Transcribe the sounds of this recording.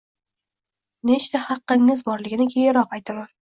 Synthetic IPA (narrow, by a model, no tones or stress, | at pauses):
ne̞t͡ʃt̪ahɑqːɪŋːɪzbɒɾlɪɡʲɪnɪkʲʰejɪɾɒqɑjt̪ʰaman